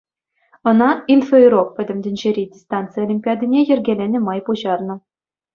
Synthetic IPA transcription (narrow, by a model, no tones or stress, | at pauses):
ɤ̆nɑinfeiɾok̚pʲɘ̆dʲɘ̆mʲdʲɘ̆nʲd͡ʑeɾʲidʲist̪ɑnt̪t͡sɨjəlʲimʲpʲɑdʲinʲejɘ̆rʲɡʲelʲenʲɘ̆mɑjpuʑɑrnɤ̆